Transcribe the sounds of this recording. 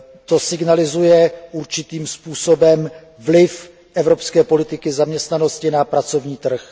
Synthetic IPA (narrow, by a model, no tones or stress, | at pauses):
t̪o̞sɪɡnalɪzujɛʔuɾt͡ʃɪt̪iːmspuːso̞bɛm | vlɪf | ʔɛvɾo̞pskɛːpo̞lɪt̪ɪkɪzamɲɛst̪nano̞scɪnapɾat͡so̞vɲiːt̪r̩x